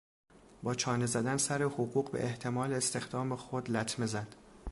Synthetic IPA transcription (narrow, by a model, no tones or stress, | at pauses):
bɒːt͡ʃʰɒːne̞zæd̪ænsæɾe̞hoɣuːɢbḛʔeht̪ʰe̞mɒːleːst̪e̞xd̪ɒːmexod̪læt̪ʰme̞zæd̪̥